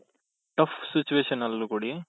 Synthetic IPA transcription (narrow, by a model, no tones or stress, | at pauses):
ʈɐfsit͡ʃːuʋeːʃɐnɐlːukuɽi